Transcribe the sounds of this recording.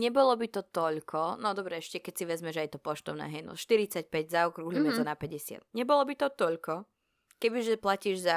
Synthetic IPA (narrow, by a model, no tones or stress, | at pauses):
ɲɛbɔlɔbit̪ɔt̪ɔʎkʰɔnɔd̪ɔbɾɛɛʃcɛkɛcsiʋɛzmɛʒɛajɛt̪ɔpɔʃt̪ɔʊnɛ̰ːɦɛjnɔ̰ʃt̪iɾit͡sac̚pɛɟzaukɾuɦlimɛt̪ɔnapɛɟɛsɪa̰d̪̥̚ɲɛbɔlɔbit̪ɔt̪ɔʎkɔ | kɛbiʒɛplaciːʒza